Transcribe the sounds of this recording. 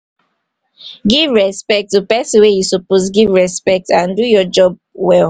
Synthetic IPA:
ɡivɹɛspɛk̚tːupɛsĩwejusɔposɡivɹɛspɛk̚tãndujɔd͡ʒɔb̚ | wɛl

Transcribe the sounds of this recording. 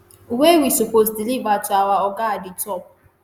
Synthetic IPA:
uwewisuposdilivatʊawaɔɡaadɪtɔp̚

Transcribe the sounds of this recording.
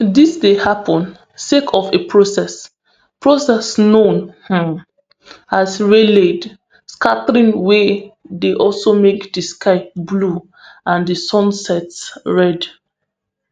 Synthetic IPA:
disdehapʰɔ̃n | sekʰɔfepʰɹosɛs | pɹosɛsnõnhã | asɹeled | skatɹĩnwɛdeʔɔlsomekdəskʰaɪblu | ãndəsɔ̃nsɛtsɹɛd

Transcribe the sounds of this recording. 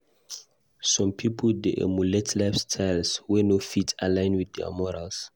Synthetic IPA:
sɔ̃mpʰipʰɔldeʔɛ̰muletʰlafstʰajlswɛnofitʰalãj̃nwid̚dɛa̰mɔɹals

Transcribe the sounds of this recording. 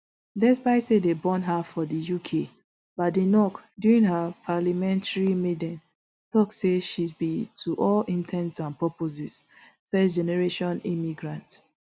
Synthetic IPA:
dɛsbaɪsedebɔ̃nɦafɔdijukʰe | batdenɔkdjuɹĩŋɦapʰalamɛ̃ntaɹimedɛ̃n | tɔkseʃidbitʰuʔɔlĩntʰɛ̃ntsãnpɔpozis | fɛsd͡ʒɛnɛɹeʃɔ̃nimiɡɹãnts

